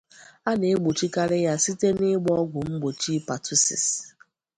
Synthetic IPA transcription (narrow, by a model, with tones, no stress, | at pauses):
a˦ne˨e˦ɡ͡bo˨t͡ʃi˦ka˦ɾɪ˦ja˦si˦te˦nɪ˦ɡ͡bɔ˦ɡʷʊ˨ŋ͡m̩˦ɡ͡bo˨t͡ʃi˦pa˨tu˦sḭ˨s